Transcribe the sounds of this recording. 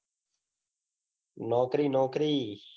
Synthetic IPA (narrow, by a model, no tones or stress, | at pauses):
noːkɾiːnoːkɾiː